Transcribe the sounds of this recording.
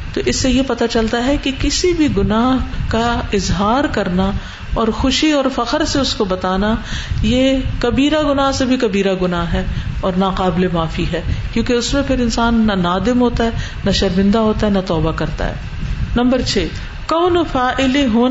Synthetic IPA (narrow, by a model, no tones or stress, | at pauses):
t̪oːʔɪsːejepɐt̪at͡ʃɐlt̪aɦɛkikɪsibʱiɡʊnaːɦkaɪzɦaːɾkɐɾna | ɔːɾxʊʃiɔːɾfɐqəɾseʊskobɐt̪aːnajekɐbiːɾaɡʊnaːɦsebʱikɐbiːɾaɡʊnaːɦɦɛːɔːɾnaqaːblemaːfiɦɛːkjõːkeʊsmẽpʰɪɾɪ̃nsaːnːɐnaːd̪ɪmɦoːt̪aɦɛː | nɐʃɐɾmɪ̃nd̪aɦoːt̪aɦɛnɐt̪ɔːbakɐɾt̪a̰ɦɛ̰ː | nɐ̃mbəɾt͡ʃʰeː | kɔːnofaːʔɪleɦoː